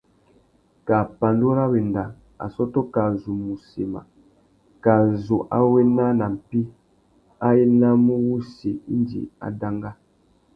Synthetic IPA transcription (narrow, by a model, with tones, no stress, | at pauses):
ka˨pa˨ndo˦ɾa˦we˨nda˨ | a̰˨sɔ˦tɔ˦ka˨zu˨mu˨se˨ma̰˨ | ka˨zo˨ʔa̰˦we˦na˦na˨m̩˨pi˦ | a˦je˦na˦mũ˦wu˦se˨i˦ndḭ˨a̰˨da˦ŋɡa˦